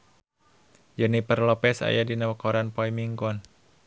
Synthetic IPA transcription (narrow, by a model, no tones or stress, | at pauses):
d͡ʒənipərlɔpɛsa̰jadinawəkɔɾanpɔimiŋɡɔn